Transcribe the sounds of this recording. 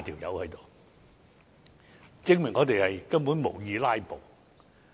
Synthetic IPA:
t̪ʰiː˨˩wjɐ̰˨˥whɵ˨˥jt̪o˨w | t͡sɪ˥ŋmɪ˨˩ŋɔː˨˧t̪e˨jhɐ˨jkɐ˥npu˨˥nmo̰˨˩wjiː˨˧laː˥jpo˨˩w

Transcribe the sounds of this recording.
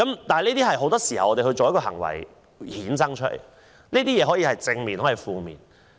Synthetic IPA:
kɐ˨˦mt̪aː˨hniː˥t̪iː˥ɦɐ˨jɦo˨˧wt̪ɔː˥siː˨˩hɐ̰˨wʔɔː˧e˨hɵ˧jt͡so˨wjɐ˥t̚kɔː˧ɦɐ̰˨˩ŋwɐ̰˨˩j | hiː˨˥nsɐ˥ŋt͡ʃʰɵ˥t̚lḛ˨˩j | niː˥t̪iː˥jɛː˨˧ɦɔː˨˥jiː˧hɐ˨jt͡sɪ˧ŋmiː˨nhɔ˨˥jiː˨˧fuː˨˧mḭː˨n

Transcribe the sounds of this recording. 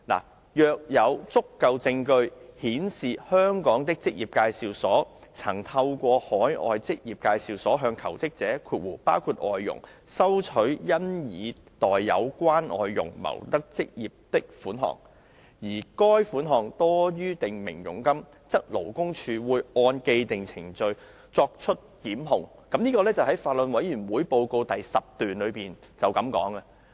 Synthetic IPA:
la̰ː˨˩ | jœː˨˧k̚jɐ˨˧wt͡sʊ˥kːɐ˧wt͡sɪ˧ŋkɵ˧ɥhiː˨˥nsiː˨hœː˥ŋkɔː˨˥ŋt̪ɪ˥k̚t͡sɪ˥k̚jiː˨p̚kaː˧jsiː˨wsɔː˨˥t͡sʰɐ˨˩ŋt̪ʰɐ˧wkʷɔː˧hɔː˨˥jʔɔ̰ː˨jt͡sɪ˥k̚jiː˨p̚kaː˧jsiː˨˧wsɔː˨˥ɦœː˧ŋkʰɐ̰˨˩wt͡sɪ˥k̚t͡sɛː˨˥kʰuː˧t̚wuː˨˩paː˥wkʰuː˧t̚ʔɔː˨jːʊ̰˨˩ŋ | sɐ˥wt͡ʃʰɵ˨˥ɥjɐ˥njiː˨˧t̪ɔː˨jːɐ̰˨˧wkʷaː˥nʔɔ̰ː˨jːʊ̰˨˩ŋmɐ̰˨˩wt̪ɐ˥k̚t͡sɪ˥k̚jiː˨p̚t̪ɪ˥k̚fuː˨˥nɦɔ̰ː˨˩ŋ | jiː˨˩kɔː˥jfuː˨˥nɦɔː˨ŋt̪ɔː˥jyː˥t̪ɪ˨ŋmɪ̰˨˩ŋjʊ̰˨˩ŋkɐ˥m | t͡sɐ˥k̚lo˨˩wkʊ˥ŋt͡ʃʰyː˧wuː˨˧jɔː˧nke˧jt̪ɪ˨ŋt͡sʰɪ̰˨˩ŋt͡sɵ˧ɥ | t͡sɔː˧k̚t͡ʃʰɵ˥t̚kiː˨˥mɦʊ˨˧ŋ | kɐ˨˥mniː˥kɔː˧lɛː˥t͡sɐ˨˩wɦɐ˨˥jfaː˨t̚lɵ˨nwɐ˨˥jyː˨˩nwuː˨˥jpo˧wko˧wt̪ɐ˨jsɐ˨p̚t̪yː˨nlɵ˨˧ɥpiː˨n | t͡sɐ˨wkɐ˨˥mkɔ̰ː˨˥ŋɐ˧

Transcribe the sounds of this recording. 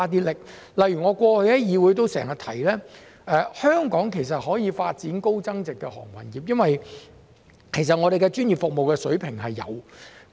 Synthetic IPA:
t̪̬iː˥lɪ˨k̚ | lɐ˨jɥyː˨˩ŋɔː˨˧kʷɔː˧hɵ˧jjɐ˥jiː˨˧wu˨˧˥jt̪̬o˧˥wsɛ̰ː˨˩ŋhɐ˨t̪ʰɐ˨˩jlɛː˥ | ʔɛː˨˧hœː˥ŋkɔː˨˥ŋkʰe˨˩js̬ɐ˨t̚hɔː˨˥jiː˨˧faː˧t̚t͡siː˨˥nko˥wt͡sɐ˥ŋt͡sɪ˨kːɛ˧hɔ̰ː˨˩ŋwʰɐ̰˨˩njiː˨p̚jɐ˥nwɐ˨j | kʰe˨˩js̬ɐ˨t̚ŋɔː˨˧ɾe˨jkɛ˧t͡ʃyː˥njiː˨pfʊ˨k̚mo˨wkɛː˧sɵ˨˥ɥpʰɪ˨˩ŋɦɐ˨jːɐ̰˨˧w

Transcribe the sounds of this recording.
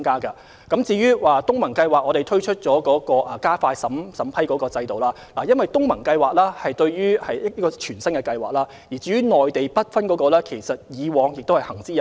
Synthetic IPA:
ŋkaː˥kɐ˧ | kɐ˨˥mt͡siː˧jyː˥waː˨t̪ʊ˥ŋmɐ˨˩nkɐ˧jwaː˨k̚ŋɔː˨˧ɾe˨jt̪ʰɵ˥ɥt͡ʃʰɵ˥t̚t͡ʃɔː˨˥kɔː˨˥kɔː˧ʔɐ˨˩kaː˥faː˧sɐ˨˥msɐ˨˩˥mpʰɐ˥jkɔː˨˥kɔː˧t͡sɐ˧jt̪o˨˩wlaː˥ | laː˨˩jɐ˥nwɐ˨jt̪ʊ˥ŋmɐ˨˩nkɐ˧jwaː˨k̚laː˥hɐ˨jt̪ɵ˧ɥɥyː˥hɐ˨jɐ˥ɐ˥kɔː˧t͡ʃʰyː˨˩nsɐ˥nkɛ˧kɐ˧jwaː˨k̚laː˥ | jiː˨˩t͡siː˧˥yː˥ŋɔː˨˩jt̪e˨jpɐ˥t̚fɐ˥nkɔː˨˥kɔː˧lɛː˥kʰe˨˩jsɐ˨t̚jiː˨˧wɔː˨˧ŋjɪ˨k̚t̪whɐ˨˩jhɐ˨˩ŋt͡siː˥j

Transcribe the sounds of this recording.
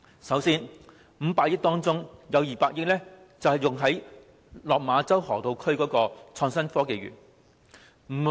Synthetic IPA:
sɐ˨˥wsiː˥n | m̩˨˧paː˧k̚jɪ˥t̪ɔː˥ŋt͡sʊ˥ŋjɐ˨˧wjiː˨˩paː˧k̚jɪ˥k̚lɛː˥ | t͡sɐ˨whɐ˨˩jʊ˨ŋɦɐ˨˥j | lɔː˨k̚maː˨˧t͡sɐ˥whɔ̰ː˨˩t̪o˨wkʰɵ˥ɥkɔː˨˥kɔː˧t͡sʰɔː˧ŋsɐ˥nfɔː˥ke˨jɥy̰ː˨˩n | m̩ː˨˩

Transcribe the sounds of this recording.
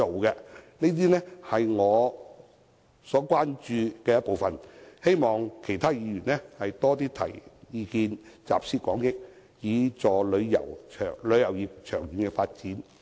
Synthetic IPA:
o˨wkɛ˧niː˥t̪̬iː˥nɛː˥hɐ˨jŋɔː˨˧ | sɔː˨˥kʷaː˥nt͡ʃyː˧kɛː˧jɐ˥t̚po˨wfɐ˨nhe˥jmɔː˨ŋkʰe˨˩jt̪ʰaː˥jiː˨˧jyː˨˩nlɛ˥hɐ˨jt̪ɔː˥t̪iː˥t̪ʰɐ̰˨˩jjiː˨˧kiː˧nt͡sa̰ː˨p̚siː˥kʷɔː˨˥ŋjɪ˥k̚ | jiː˨˧t͡sɔː˨lɵ˨˧ɥjɐ̰˨˩wt͡ʃʰœ̰ː˨˩lɵ˨˧ɥjɐ˨˩wjiː˨˩p̚t͡ʃʰœː˨˩ŋjyː˨˩nkɛ˧faː˧t̚t͡siː˨˥n

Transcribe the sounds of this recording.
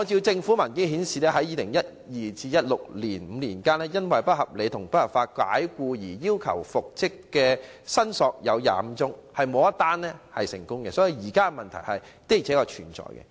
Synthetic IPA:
ŋɔː˨˧t͡siː˧wt͡sɪ˧ŋfu˨˥mɐ˨˩nkɪ˥ŋɦiː˨˥nsiː˨lɛː˥ɦɐ˨˥jiː˨˧lɪ˨˩ŋjɐ˥t̚ | jiː˨t͡siː˧jɐ˥t̚lʊ˨k̚liː˨˩nm̩˨˧liː˨˩nkaː˥nlɛː˥jɐ˥nwɐ˨jpɐ˥t̚hɐ˨p̚le˨˧jt̪ʰʊ˨˩ŋpɐ˥t̚hɐ˨˩pfaː˧t̚ka̰ː˨˥jkuː˧jiː˨˩jiː˥wkʰɐ̰˨˩wfʊ˨k̚t͡sɪ˥kːɛː˧sɐ˥nsɔː˧k̚jɐ˨˧wja̰ː˨m̩˨˧t͡sʊ˥ŋhɐ˨jmo˨˧wɐ˥t̪aː˥nlɛ˥hɐ˨jsɪ˨˩ŋkʊ˥ŋkɛ˧sɔː˨˥ji˨˧jiː˨˩kaː˥kɛ˧mɐ˨˩nt̪ʰɐ˨˩jhɐ˨j | t̪e˥t͡sʰɛː˨˥kɔː˧t͡ʃʰyː˨˩nt͡sɔ̰ː˨jkɛ̰˧

